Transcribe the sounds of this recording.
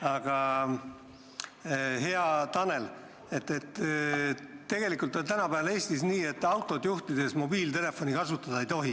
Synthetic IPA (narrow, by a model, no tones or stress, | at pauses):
ɑɡ̥ɑ | ɦe̞ɑt̪ɑne̞l | e̞t̪ːˑet̪ː | e̞ɡ̥e̞likˑult̪ːot̪ænɑpæːvɑe̞ːst̪isniːe̞t̪ːˑɑwt̪ˑo̞d̪juht̪id̪̥e̞smo̞biːlt̪e̞le̞fo̞nikɑsut̪ːˑɑd̪̥ɑejt̪o̞ɦi